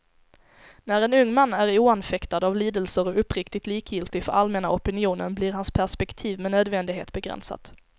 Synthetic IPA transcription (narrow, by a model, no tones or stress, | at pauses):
næɾɛnɵŋːmanːæɾuːanfɛkt̪ad̪avliːd̪əlsəɾɔɵpːɾɪkt̪ɪt̪liːkjɪlt̪ɪfœɾalmɛnaɔpɪnɪuːnə̰nblɪɾɦanspʰæʂpɛkt̪ʰiːvmɛnøːd̪vɛnd̪ɪɡɦḛːt̪bɛɡɾɛ̰nsa̰t̪